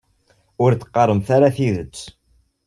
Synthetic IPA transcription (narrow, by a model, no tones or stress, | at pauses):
ʊɾt͡s̪ːə̥qːɑɾˤəmθaɾaθiðət͡sː